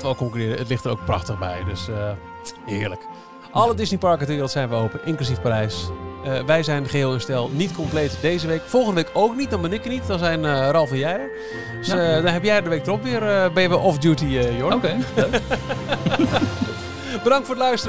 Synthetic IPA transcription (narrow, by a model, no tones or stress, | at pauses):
tʋəoːkɔŋkyrɪːɾəətlɪxtəɾo̰wk̚prɑ̰xtəɣbɛ̰jdøsə | hɪːɹlək | ʔɑlədɪsnipɑɹkədəʋɪːrəlˠtsɛjnʋəowpənʔɪŋklys̬ifparɛjsəʋɛjzɛjnχəɦɪːlˠənstɛlˠnitkɔmplejtdejzəʋeːkfɔlˠxəndəʋekowknit̚dɔnbɛnɪkjənitdɔnzɛjnərɔlˠfəjɛə̥ | sdɔnɦɛpjɛjədəʋeɪktrɔpʋɪːrəbɛjəʋəʔɔfdjutijooe | bədɑŋtfoʊːdəlœɥstərə